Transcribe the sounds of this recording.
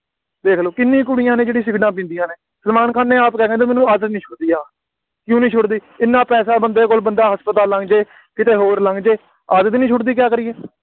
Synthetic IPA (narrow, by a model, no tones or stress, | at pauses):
d̪eːkʰloːkɪnːĩːkʊɽijãːnẽːd͡ʒeːɽĩːs̬ɪɡɖãːp̬ĩːnd̪ijãːneː | səɾmaːnkaːnẽːaːpkɛːkɛ̃ːt̪amɛːnũːaːd̪t̪nĩːt͡ʃʰʊɽd̪iːaː | kjũːnĩːt͡ʃʰʊɽd̪iː | ɪnːãːpɛːsaːbənd̪eːkoːlbənd̪aːɦəspət̪aːlə̃ŋɡd͡ʒeː | kɪt̪eːɦoːɾlə̃ŋɡd͡ʒeː | aːd̪t̪nĩːt͡ʃʰʊɽd̪iːk̬jaːkəɾiːɛː